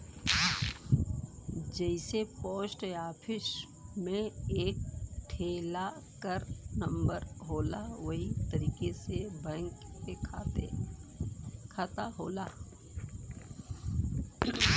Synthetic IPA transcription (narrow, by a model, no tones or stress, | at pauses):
d͡ʒəɪsepoːsʈeaːpʰɪs | mẽeːk̚ʈʰeːlakəɾnə̃mbəɾɦoːlaʋəɦit̪ɐɾiːkesebɛ̃ːŋkːekʰaːt̪ḛ | kʰaːt̪aɦoːla